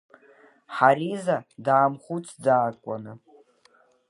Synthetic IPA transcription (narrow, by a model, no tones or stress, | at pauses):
ħaɾizadaːmχut͡sʰʼd͡zaːkʷʼa̰nɨ